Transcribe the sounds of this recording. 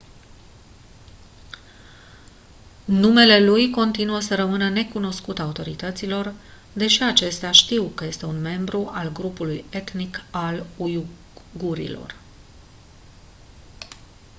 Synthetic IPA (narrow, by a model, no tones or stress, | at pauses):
nume̞le̞lujko̞nt̪inuəsəɾəmɨnəne̞kuno̞skut̪aut̪o̞ɾit̪ət̪silo̞r | d̪e̞ʃiat͡ʃe̞st̪eaʃt̪iwkəje̞st̪e̞unme̞mbɾuʔalɡɾupuluje̞t̪nikaluju | ɡuɾḭlo̞̰r